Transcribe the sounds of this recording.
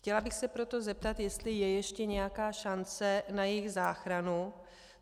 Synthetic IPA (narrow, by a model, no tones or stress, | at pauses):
xcɛlabɪxsɛpɾo̞t̪o̞zɛp̚t̪at̪jɛst̪lɪjɛjɛʃcɛɲɛjakaːʃant͡sɛnajɪɣzaːxɾanu